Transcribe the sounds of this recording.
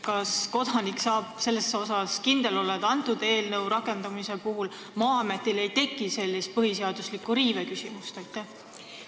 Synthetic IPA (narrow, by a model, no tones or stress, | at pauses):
kɑsko̞d̪̥ɑniksɑːb̥̚se̞lːesːo̞sɑskind̪̥e̞lo̞lːed̪̥ɑnt̪ːˑud̪̥e̞ːlnɤwɾɑkːˑe̞nd̪ɑmisepuɦul | mɑːɑme̞t̪ːˑile̞jt̪e̞kːˑise̞lʲːist̪̚pɤɦis̬e̞ɑd̪̥uslikːuɾiːvekysimust̪ojt̪ːˑæh